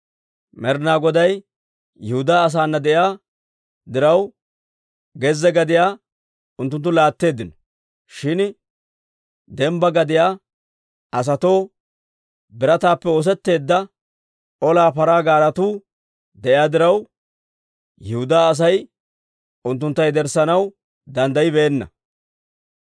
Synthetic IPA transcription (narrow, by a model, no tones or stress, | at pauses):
mɛɾnaːɡɔd̪ɐj | jɛhʊd̪aːs̬aːnːɐd̪ɛʔjaː | d̪ɪɾɐw | ɡɛzːɛɡɐd̪ɪjaː | ʊnt̪ːʊnt̪ːʊlaːt̪ːe̞ːd̪ːɪnɔ | ʃɪn | d̪ɛmbɐɡɐd̪ɪjaː | ɐs̬ɐt̪o̞ː | bɪɾɐt̪aːpːɛoːs̬ɛt̪ːe̞ːd̪ːɐ | ʔɔlaːpɐɾaːɡaːɾɐt̪uː | d̪ɛʔɪaːd̪ɪɾɐw | jɪhʊd̪aːs̬ɐj | ʊnt̪ːʊnt̪ːɐjd̪ɛɾsɐnɐw | d̪ɐnd̪ɐjɪbeːnːɐ̰